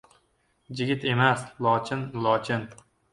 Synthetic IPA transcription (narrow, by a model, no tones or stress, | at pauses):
d͡ʒɪɡʲɪt̪e̞maslˠɒt͡ʃʰɪnlˠɒt͡ʃʰɪn